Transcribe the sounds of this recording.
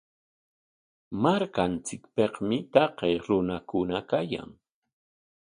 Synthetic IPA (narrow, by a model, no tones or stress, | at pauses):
maɾkant͡sɪkpeqmɪt̪ɑqejɾʊnakʊnakaja̰ŋ